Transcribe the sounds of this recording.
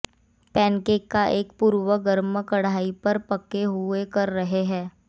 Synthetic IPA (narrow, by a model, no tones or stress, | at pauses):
pɛ̃ːnkeːkːaʔeːkpuːɾwəɡəɾməkɐɽaːipɐɾpɐkeɦʊekɐɾːɐɦeɦɛ̃ː